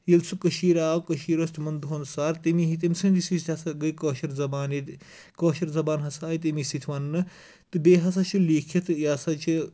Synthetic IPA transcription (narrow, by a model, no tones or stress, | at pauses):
jilsukɐʃiːɾaːwkɐʃiːɾoːst̪ʰmɐnd̪oːnsaːɾt̪imiɦit̪imsɨ̃nd̪isist̪ʰʲɐsɐɡɐjkoːʃɐɾzɐbaːnid̪ | koːʃɐɾzɐbaːnɦɐsaːjit̪imisit̪ʰʋɐnːɨ | t̪ɨbeːɦɐsɐt͡ʃʰuliːkʰɐt̪ʰɨjaːsɐt͡ʃʰi